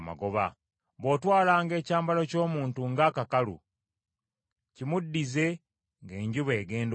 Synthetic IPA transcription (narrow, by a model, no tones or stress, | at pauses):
ma̰ɡoβa̰ | βo̞ːtwaːlaːŋɡe̞ːcaːmbaloco̞ːmuːntuŋɡaːkakalṵ | cimudːize̞ | ŋɡe̞ːɲɟuβeːɡe̞ːnd